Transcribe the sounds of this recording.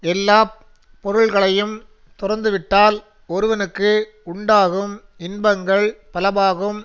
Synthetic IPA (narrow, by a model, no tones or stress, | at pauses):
ɛlːaː | pːɔɾɯɭɣɐɭɐjɯm | t̪ʊrɐɾnd̪ɯʋɪʈːaːl | ɔɾɯʋɐnɯkːɯ | ʊɳɖaːɣɯm | ɪnbɐŋɡɐɭpɐlɐbaːɣɯm